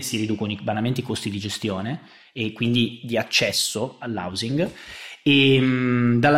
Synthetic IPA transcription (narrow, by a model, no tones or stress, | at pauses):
siɾid̪uːkonibanament̪ikost̪id̪id͡ʒest̪joːneː | kːwind̪id̪iat͡ʃːɛsːoalːa̰wziŋɡ | e | d̪alːa